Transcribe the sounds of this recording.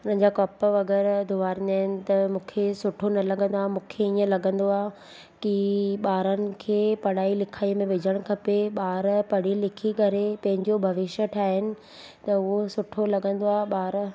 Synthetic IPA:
ʊnə̃ɦɲ̆d͡ʑakɔːpʋɐɡɛːɾd̪ʊʋaːɾɪnaːɦɪnɪ̆t̪ɐmũːkʰesʊʈʰonɐlɐɠə̃nd̪oaːɦmũːkʰeiːə̃lɐɠə̃nd̪oaː | kiɓaːɾənɪ̆kʰeːpɐɽaːilɪkʰaːimẽʋɪd͡ʑʱəɽ̃kʰɐpeɓaːɾpɐɽ̤ilɪkʰikɐɾepɐ̃ɦɪ̃ɲd͡ʑobʱɐʋɪʃəʈʰaːɦɪnɪ̆ | t̪ɐʊɦosʊʈʰolɐɠə̃nd̪oaːɓaːɾ

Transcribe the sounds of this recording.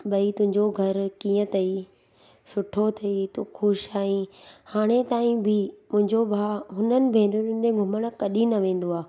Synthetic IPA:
ɓɐit̪ʊ̃ɦɪ̃ɲd͡ʑoɡʱɐɾkĩːə̃t̪ʰɐi | sʊʈʰot̪ʰɐit̪oxoʃaːĩhaːɽ̃et̪aːĩbʱɪmʊ̃ɦɪ̃ɲd͡ʑobʱaːɦʊnənɪ̆bʱẽːʊnd͡ʑeɡʱʊməɽ̃̆kɐɗinɐʋẽːn̆d̪oaː

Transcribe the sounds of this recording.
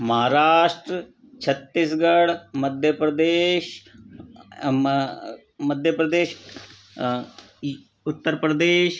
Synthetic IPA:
məɦaːɾaːʃʈɾə | t͡ʃʰət̪ːɪsɡəɽməd̪ʱjəpɾəd̪eːʃ | məd̪ʱjəpɾəd̪eːʃ | ʊt̪ːəɾpɾəd̪eːʃ

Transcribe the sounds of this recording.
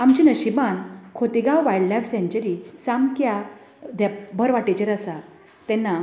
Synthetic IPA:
amt͡ɕinəɕibankʰot̪iɡawʋajɖlajfsẽɲt͡ɕəɾisamkja | d̪abʱəɾʋaʈet͡ɕəɾasa | t̪ɛ̃nːa

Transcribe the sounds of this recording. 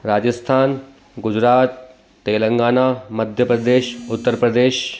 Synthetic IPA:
ɾaːd͡ʒəst̪ʰaːn | ɡʊd͡ʑɾaːt̪̚ː | eːlə̃ŋɡaːnaːmɐd̪ʱjəpɾɐd̪eːʃʊt̪ːəɾpɾəd̪eːʃ

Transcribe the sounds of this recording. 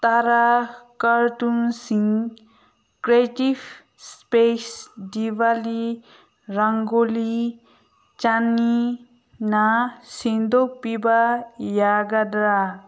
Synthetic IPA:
t̪aɾakəɾt̪unsiŋ | kɾetif | spesdiʋali | ɾaŋɡoli | t͡ʃani | nasind̪opibajaɡad̪ɾa

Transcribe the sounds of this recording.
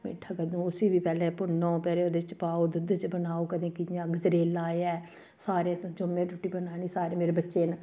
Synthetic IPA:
mḛːʈʰəkəd̪ũːʊsiːʋiːpɛːlẽːpʊnõːpɛːleːod̪eːɪt͡ʃpaːoːd̪ʊd̪t͡ʃbənaːoːkəd̪ẽːkijãːɡəzɾeːlaːeɛː | saːɾẽːsəd͡ʒomːẽːʈʊʈːiːbənaːniːsaːɾẽːmeːɾeːbətːʃeːn

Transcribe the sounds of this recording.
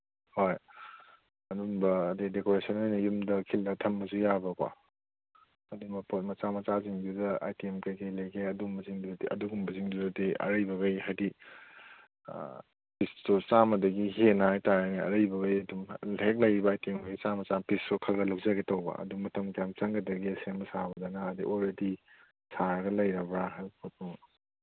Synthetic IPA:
hoj | ɐduŋbɐːdidekoɾesʰɐnojnɐjumdɐkʰildɐtʰɐmːɐsujabɐkwa̰ | ɐdumbɐpot̚mɐt͡ʃamɐt͡ʃaziŋdudɐa̰jtiemkɐjkɐjlɐjkʰeɐdumbɐziŋdudiɐ̰duɡumbɐziŋdudɐdiɐ̰ɾɐjbɐɡɐjɦajdi | pistut͡ʃamɐdɐɡiɦenahajtaɾaniɐ̰ɾɐjbɐɡɐjɐdumhek̚lɐjɾibɐːjtiemɐɡit͡ʃamɐt͡ʃampistukʰɐlɡɐlɐwzaɡetɐwbɐ̰ʔɐ̰dumɐtɐmkjamt͡ʃɐŋɡɐdɐɡisenbɐsabɐdɐnɐːdiʔolɾedi | saɾɐɡɐlɐjɾɐbɾaɦajpʰot̚uŋ

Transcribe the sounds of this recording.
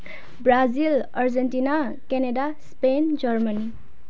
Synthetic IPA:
brad͡zilʌrd͡zenʈina | keneɖaspend͡zʌrmʌni

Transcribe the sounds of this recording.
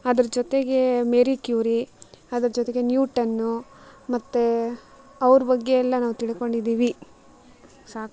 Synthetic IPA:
ɐd̪ɐɾɐd͡ʒot̪e̞ɡe̞meɾikjuːɾiɐd̪ɐɾɐd͡ʒot̪eɡe̞njuːʈɐnːumɐt̪ːe | ɐʋɐɾubɐɡːeɛlːɐnaːʋut̪iɭiko̞ɳɖid̪iːʋi | saːk

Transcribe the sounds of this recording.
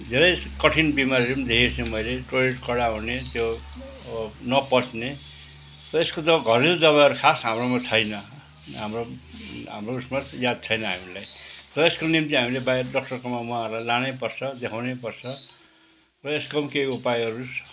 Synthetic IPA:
d̪ʱeɾʌjskʌʈʰinbimaɾirimd̪ʱekesʰẽmʌjleʈojeʈkʌɽaunet̪jo | ʌbʌnʌpʌt͡sne | t̪ʌeskot̪ʌɡʱʌɾild̪ʌβajʌɾukʰasɦamɾromat͡sʰʌjnʌ | ɦamroɦa̰mrousmajad̪̚t͡sʰʌjnʌɦamilajrʌeskonimt̪iɦamilebaerɖʌk̚ʈʌrkʌmːamuãʌrlajlañʌpʌrt͡sʰʌd̪ekʰawnepʌrt͡sʰʌ | rʌeskʌmkejupajʌɾus

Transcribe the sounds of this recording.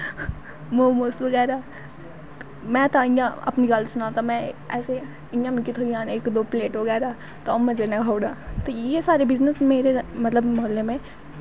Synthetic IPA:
moːmoːsʈʋɐɡɛːɾa | mɛ̃ːt̪aɪ̃jãɐ̰pniɡalsʊnaːt̪amɛ̃ɛːse | ĩjãmɪkit̪ʰoijãːneːkd̪oːpleːʈʋɐɡɛːɾa | t̪oɐmːɛ̃d͡ʒenɐɡʱaːʊɽaːt̪ojesaːɾebɪznəsmeːɾemɐt̪ləbmɐɦlːemẽ

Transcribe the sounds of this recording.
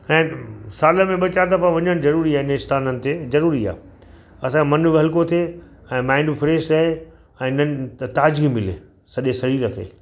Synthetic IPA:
ɛ̃ːsaːləmẽɓɐt͡ɕaːɾt̪ɐfaʋɐɲəɽ̃zɐɾuːɾiaːɪnəɪst̪ʰaːnənɪ̆t̪ezɐɾuːɾia̰ː | ɐsãemɐnbɦɐlkot̪ʰieɛ̃ːmãːɪ̃ɳɖɪfʰɪɾeːsɾɐɦe | ɛ̃ːnət̪aːd͡ʑɡimɪlḛ | sɐʄesɐɾiːɾəkʰḛː

